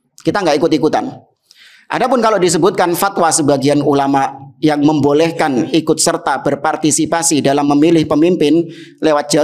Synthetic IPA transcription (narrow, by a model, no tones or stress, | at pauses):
kit̪aŋɡaʔikʊt̪ikut̪a̰n | ʔa̰dapʊnkalodis̬əbʊt̪̚kanfat̪wasəbaɡianulamaʔjaŋməmbolɛhkanikʊt̪̚sərt̪abərpart̪isipasidalamːəmilɪhpəmimpɪn | lewat̪̚d͡ʒ̥a